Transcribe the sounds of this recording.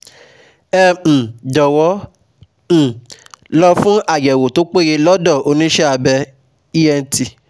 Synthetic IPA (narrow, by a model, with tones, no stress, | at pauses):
ɛ̃˦˨d͡ʒɔ˨wɔ̃˨˦˨ | lɔ˧fũ˦a˦˨jɛ˨wo˨to˨˦k͡pe˦˨ɾe˧lɔ˦dɔ˦˨o˧nĩ˦ʃɛ˦a˧bɛ˧ | i˦jɛ˦˧n̩˦ti˧